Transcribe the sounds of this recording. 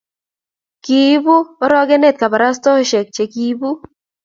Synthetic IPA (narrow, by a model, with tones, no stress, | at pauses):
ki˨˦bu˦ɾɔ˦ɡe˦ne˦˨t̪̚ka˨ba˨ɾa˦stɔ˦ʃe˨k̚t͡ʃe˨ki˦bu˦